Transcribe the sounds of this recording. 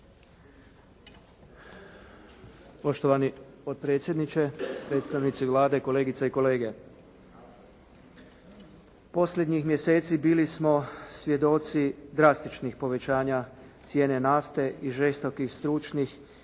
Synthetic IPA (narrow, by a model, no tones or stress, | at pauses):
po̞ʃt̪oʋanipot̪̚pɾet̪sjed̪nit͡ʃe̞pɾe̞ːt̪st̪aʋnit̪siʋlaːd̪e̞ko̞le̞ːɡit̪saiko̞le̞ːɡe̞ | po̞slʲed̪ɲixmje̞se̞ːt̪sibiːlismo̞sʋje̞d̪o̞t̪sid̪ɾast̪it͡ʃnixpo̞ʋe̞t͡ɕaːɲa | t̪sje̞ːne̞naft̪e̞ʔiʒest̪o̞kixst̪ɾut͡ʃnix